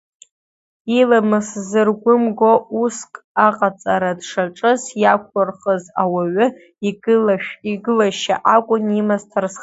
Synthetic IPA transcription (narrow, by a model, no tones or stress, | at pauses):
ilamɨszɨrɡʷʊmɡʷouskʼaqʼat͡sʼaɾadʂaʈ͡ʂʼɨzjakʷʰʊrχəzawaɥʊ | iɡɨlaʃᶣiɡɨlaʃa̰ʔakʷʼʊnimaztʰars